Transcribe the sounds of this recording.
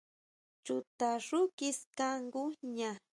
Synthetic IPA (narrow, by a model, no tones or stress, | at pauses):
t͡ʃʊt̪aɾʊkɪskaŋɡʊɲa